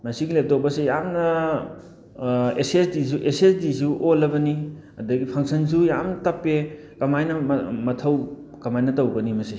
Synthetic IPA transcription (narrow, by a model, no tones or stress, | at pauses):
mɐsiɡilep̚towbɐsejamnɐ | esesdis̬uʔesesdisuʔolːɐbɐni | ɐdɐɡipʰɐŋsʰɐnsujamnɐtɐpːe | kɐmajnɐmɐtʰɐw | kɐmajnɐtɐwɡɐnimɐsi